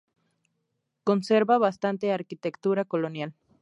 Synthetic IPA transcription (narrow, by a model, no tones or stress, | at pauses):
konseɾβaβast̪ant̪eaɾkit̪ekt̪uɾakolonjal